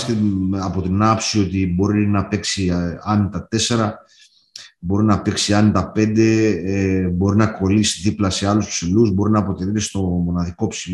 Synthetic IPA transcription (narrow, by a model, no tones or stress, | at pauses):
st̪eɐpo̞t̪inɐpsio̞t̪ibo̞ɾinɐpe̞ksiɐnt̪ɐt̪e̞se̞ɾɐ | bo̞ɾinɐpe̞ksiɐnt̪ɐpe̞nd̪e̞ebo̞ɾinɐko̞lisiðiplɐse̞ɐluspsiluzbo̞ɾinɐːpot̪eθit̪est̪o̞mo̞nɐðiko̞psil